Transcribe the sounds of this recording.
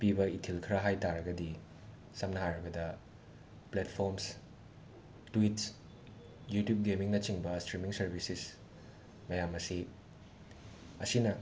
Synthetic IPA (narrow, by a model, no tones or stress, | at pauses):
pibɐitʰilkʰɾɐɦajtaɾɐɡɐdi | sɐmnɐɦaɾɐɡɐdɐ | pletpʰoɾms | twits | jutjup̚ɡemiŋnɐt͡ʃiŋbɐstɾimiŋsɐɾbʱisis | mɐjamɐsi | ɐsinɐ